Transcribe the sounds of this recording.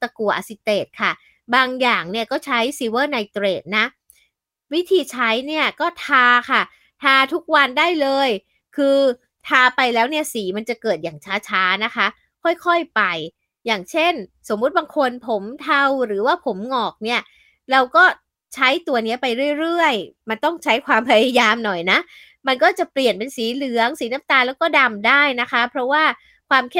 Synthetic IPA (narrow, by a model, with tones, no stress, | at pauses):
t̪a˧ku˨˩ɐʔsi˨˧˩t̪eː˨˩t̪̚kʰa˥˩ | baː˧ŋjaː˨˩ŋni˥˩ɐkɔː˥˩t͡ɕʰa˦˥jsi˧wɤː˥˩na˧jt̪ɾeː˨˩t̪̚na˦˥ | wi˦˥t̪ʰiː˧t͡ɕʰa˦˥jni˥˩ɐkɔː˥˩t̪ʰaː˧kʰa˥˩ | t̪ʰaː˧t̪ʰu˦˥k̚wa˧ndaː˥˩jlɤː˧j | kʰɯː˧ | t̪ʰaː˧pa˧jlɛː˦˥wni˥˩ɐsiː˩˦ma˧nt͡ɕa˨˩kɤː˨˩t̪̚jaː˨˩ŋt͡ɕʰaː˦˥t͡ɕʰaː˦˥na˦˥kʰa˦˥ | kʰɔ˥˩jkʰɔ˥˩jpa˧j | jaː˨˩ŋt͡ɕʰe˥˩nso˨˩˦mːu˦˥t̪̚baː˧ŋkʰo˧npʰo˩˦mt̪ʰa˧wɾɯː˩˦waː˥˩pʰo˩˦mŋɔː˨˩k̚ni˥˩ɐ | ɾa˧wkɔː˥˩ | t͡ɕʰa˦˥jt̪u˧ɐni˦˥ɐpa˧jɾɯ˥˩əjɾɯ˥˩əjma˧nt̪ɔ˥˩ŋt͡ɕʰa˦˥jkʰwaː˧mpʰa˧ja˧jaː˧mnɔ˨˩jna˦˥ʔ | ma˧nkɔː˥˩t͡ɕa˨˩pli˨˩ənpe˧nsiː˨˩˦lɯ˨˩˦əŋsiː˨˩˦na˦˥mt̪aː˧lɛː˦˥wkɔː˥˩da˧mdaː˥˩jna˦˥kʰa˦˥pʰɾɔ˦˥waː˥˩ | kʰwaː˧mkʰ